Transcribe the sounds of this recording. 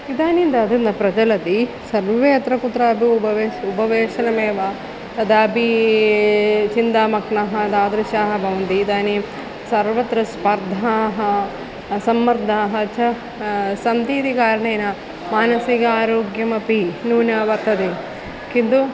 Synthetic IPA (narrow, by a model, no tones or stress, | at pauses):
id̪aːnind̪ɐːd̪ɐnd̪ɐpɾɐd͡ʒɐlɐt̪i | sɐɾʋeɐt̪ɾɐkut̪ːɾaɐbʱiubɐʋeupɐʋeːʂɐnɐmeːʋa | t̪ɐd̪aːbʱi | t͡ʃind̪aːmɐkɳɐɦɐɐd̪aːd̪ɾiʃaːɦɐbʱɐʋɐnt̪iːd̪aːni | sɐɾʋɐt̪ɾɐspɐɾd̪ʱaːɦɐ | sɐmːɐɾd̪ʱaːɦɐt͡ʃʰɐ | sɐnd̪iːt̪ikaːɾɐɳeːnɐ | maːnɐsiɡɐaːɾoːɡjɐmɐpinuːnaːʋɐɾt̪ːɐt̪i | kind̪u